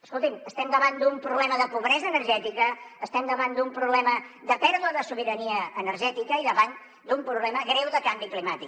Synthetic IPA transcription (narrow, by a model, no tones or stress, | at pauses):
əskolˠt̪iməst̪ɛmd̪əβand̪umpɾuβlɛməðəpuβɾɛzəːnərʒɛt̪ikəːst̪ɛmd̪əβand̪umpɾuβlɛməd̪əpɛɾðuəðəsuβ̞iɾəniəəːnəɾʒɛt̪ikəiðəβan | d̪umpɾuβlɛməɣɾɛwðəkambiklimat̪ik